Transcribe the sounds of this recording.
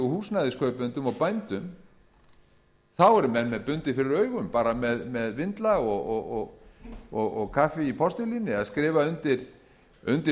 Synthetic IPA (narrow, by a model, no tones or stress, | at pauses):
ʏhuːsnaðɪskʰœːɥpʏnt̪ʏmɔwpajnt̪ʏm | θawɛɾʏmɛnmɛðpʏnt̪ɪfɪɾɪɾœːɥɣʏmpaːɾamɛðmɛðvɪnt̪laɔɣɔɣɔɣɔɣɔɣkʰaːfɪipʰɔst̪ʏlinɪaðskɾɪːvaʏnt̪ɪɾ̥ | ʏnt̪ɪ